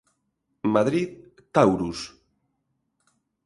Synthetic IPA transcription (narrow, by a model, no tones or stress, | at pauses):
maðɾið | t̪awɾus